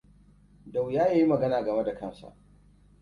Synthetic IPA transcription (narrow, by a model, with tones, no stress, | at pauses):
da˨wjaː˦jaː˦ji˦mɐ˨ɡɐ˦naː˨ɡɐ˨me˦da˨kɐ˦nsa̰˨ʔ